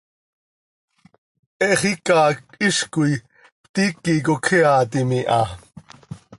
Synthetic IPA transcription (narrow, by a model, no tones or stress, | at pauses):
ʔɛʔχikɑːktiʃkuj | t̪ikːikokʰiɑːt̪imiʔɑ